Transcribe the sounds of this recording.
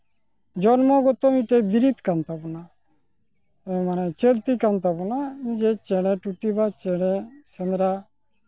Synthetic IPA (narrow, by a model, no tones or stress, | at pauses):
d͡ʒɔnmõːɡot̪ːomiʈebiɾit̪kant̪abuna | emanɛ̃t͡ʃelt̪ikant̪abunaĩd͡ʒet͡ʃeɽẽʈuʈːibat͡ʃeɽesənɾaː